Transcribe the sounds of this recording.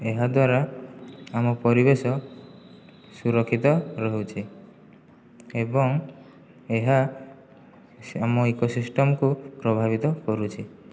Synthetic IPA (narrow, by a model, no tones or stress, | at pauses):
eɦad̪waɾa | amɔpɔɾibesɔ | suɾɔkʰːit̪ɔɾɔɦot͡ʃʰi | ebɔŋ | eɦa | amɔekosisʈɔmɔkupɾɔbʱabit̪ɔkɔɾut͡ʃʰi